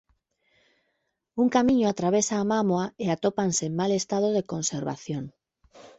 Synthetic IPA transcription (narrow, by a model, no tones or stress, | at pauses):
uŋkamĩɲoat̪ɾaβ̞esaːmamoaeat̪opansemmalest̪að̞oðekonseɾβa̰θjoŋ